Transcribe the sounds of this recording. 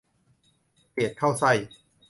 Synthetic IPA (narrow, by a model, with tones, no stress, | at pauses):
keː˨˩t̪̚kʰa˥˩wsa˥˩j